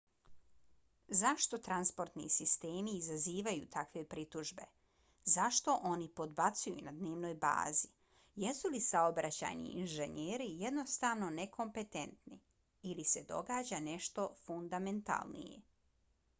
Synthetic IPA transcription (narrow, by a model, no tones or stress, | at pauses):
zaʃt̪o̞t̪ɾanspo̞ɾt̪nḭsist̪eːmiːzaziːʋajṵt̪ʰakʋe̞pɾit̪uʒbe̞ | zaʃt̪o̞ʔo̞nipo̞d̪bat̪sujṵnad̪neːʋno̞ːjba̰ːzi | je̞sulisaobɾat͡ɕa̰ːjnḭinʒe̞ɲeːɾije̞d̪no̞st̪aːʋno̞nekʰo̞mpe̞t̪e̞nt̪ni | ilise̞d̪o̞̰ɡaːd͡ʑane̞ʃt̪o̞fund̪ame̞nt̪a̰lˠnḭjḛ